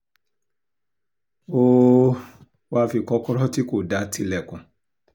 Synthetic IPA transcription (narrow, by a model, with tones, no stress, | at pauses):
o˦ | wa˦˧fi˨kɔ˧˦kɔ˦ɾɔ˦ti˦ko˨da˨˦tʰi˧˦lɛ˨kũ˨